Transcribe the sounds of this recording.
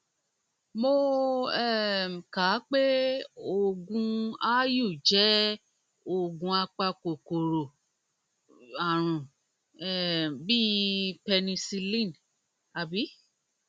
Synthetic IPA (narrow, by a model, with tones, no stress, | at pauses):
mo˧ɛ˦˨ka˨˦k͡pe˦o˦˨ɡũ˧a˦ju˦˨d͡ʒɛ˨˦ | o˦˨ɡũ˧a˧k͡pa˧ko˨ko˨ɾo˨ | a˨ɾ̃ũ˨ | ɛ˦˨bi˦pɛ˧nĩ˧si˧lĩ˦˨n | a˨bi˨˦